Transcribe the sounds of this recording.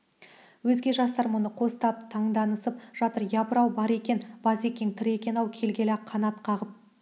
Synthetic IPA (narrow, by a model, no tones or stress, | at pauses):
wɵzɡʲe̞ʒɑst̪ɑɾmonəqʰo̞st̪ɑp̚t̪ʰɑɴd̪ɑnəsəp̚ʒ̥ɑt̪əɾjɑbəɾɑwbɑɾe̞kʲe̞nb̥ɑze̞kʲeŋt̪ʰɪɾe̞kʲe̞nɑwkʲʰe̞lɡʲe̞lɑqʰːɑnɑt̪qʰɑʁəp̚